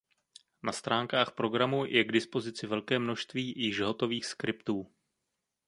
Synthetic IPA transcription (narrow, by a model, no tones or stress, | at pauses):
nast̪ɾaːŋkaːxpɾo̞ɡɾamujʔɛɡdɪspo̞zɪt͡sɪvɛlkɛːmno̞ʃst̪viːjɪʒɦo̞t̪o̞viːxskɾɪpt̪uː